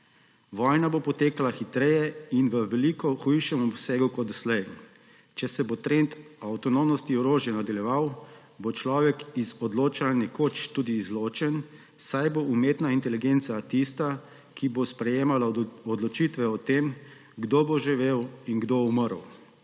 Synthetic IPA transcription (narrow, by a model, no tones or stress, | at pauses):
ʋɔːjnabopɔt̪eːkalaxit̪ɾɛjɛinʋəʋɛlikɔxujʃɛmɔbseɡukɔt̪ɔslɛj | t͡ʃɛsɛbot̪ɾent̪awt̪ɔnomnɔst̪iɔɾoːʒjɛnad̪aljɛʋaw | bot͡ʃlɔːʋɛkizɔd̪loːt͡ʃalnɛkot͡ʃt̪ud̪iːzloːt͡ʃɛn | sajboʔumeːt̪naint̪ɛliɡent̪sat̪ist̪a | kʰibospɾɛjeːmalaɔd̪lɔt͡ʃit̪ʋɛɔt̪em | ɡd̪oboʒiʋeːwinɡd̪ouməɾw